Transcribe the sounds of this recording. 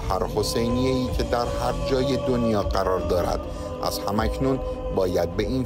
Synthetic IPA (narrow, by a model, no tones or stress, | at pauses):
hæɾho̞se̞jnijeiːcʰe̞d̪æɾhæɾd͡ʒɒːje̞d̪onjɒːɢæɾɒːɾd̪ɒːɾæ̰d̪̥ | ʔæ̰z̥hæmæcʰnuːn | bɒːjæd̪̚be̞iːn